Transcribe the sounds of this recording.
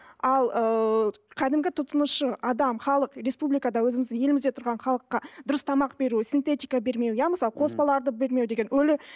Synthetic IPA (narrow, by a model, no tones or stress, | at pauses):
ɑlˠəqʰʲæd̪ɪmɡʲɪt̪ʰʊt̪ənəʃəɑd̪ɑmχɑlˠəqɾe̞spublijkad̪ɑwɵzɪmɪzd̪ɪŋje̞lɪmɪzd̪e̞t̪ʰʊɾʁɑnχɑlˠəqːɑd̪ʊɾəst̪ʰɑmɑq̚be̞ɾusint̪e̞t̪ijkabe̞ɾme̞wjæməsɑlˠəqʰo̞sbɑlˠɑɾd̪əbe̞ɾme̞wd̪e̞ɡʲe̞nwɵlɪ